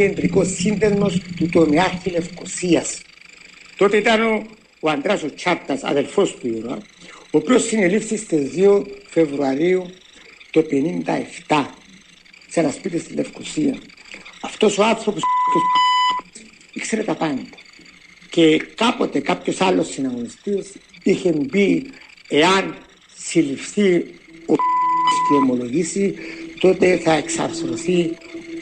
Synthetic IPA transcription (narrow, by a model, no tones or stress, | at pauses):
end̪ɾikosːind̪ezmo̞st̪ut̪onaɾçile̞fkosiɐs | t̪o̞t̪eit̪ɐnoː | and̪ɾasot͡ʃʰaɾt̪ɐsɐ̰ðelfost̪uiɾoɐ̰opio̞sinelifθist̪ezðiofe̞vɾuaɾiu | t̪o̞penind̪ɐe̞ft̪a | senɐspit̪ist̪ilefkosiɐ̰ɐft̪o̞so̞ɐθɾo̞put̪uss | ikse̞ɾet̪ɐpend̪e̥ | ce̞kɐpo̞t̪e̞kɐpço̞sɐlːo̞sːinɐɣonist̪isiçe̞mbie̞ɐn | silifθiosceo̞mo̞lo̞ʝisit̪o̞t̪e̞θɐe̞ksɐ̰fθɾoθi